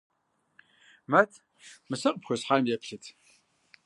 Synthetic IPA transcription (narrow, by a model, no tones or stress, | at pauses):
mɐtʰ | mɨsɐqʼpxʷosħaːmjɛpʰɬɨtʰ